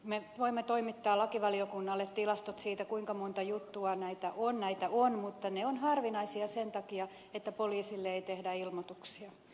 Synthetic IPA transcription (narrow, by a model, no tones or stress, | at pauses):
meʋoimːet̪oimit̪ːɑːlɑkiʋɑliokunːɑlːet̪t̪ilɑst̪ot̪siːt̪ækuiŋkɑmont̪ɑjut̪ːuɑnæit̪æʔonnæit̪æʔonmut̪ːɑneonhɑrʋinɑisiɑsent̪ɑkiɑ | et̪ːæpoliːsilːeeit̪ehdæilmot̪uksiɑ